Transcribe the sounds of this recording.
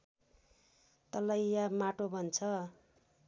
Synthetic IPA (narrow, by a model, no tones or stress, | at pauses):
t̪ʌlʌjjamaʈobʱʌnt͡sʰʌ